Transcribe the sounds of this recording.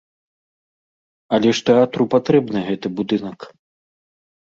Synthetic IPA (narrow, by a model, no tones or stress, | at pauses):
ɐlʲɛʂt̪ɛat̪ɾupat̪ɾɛbnɨɣɛt̪ɨbud̪ɨnɐk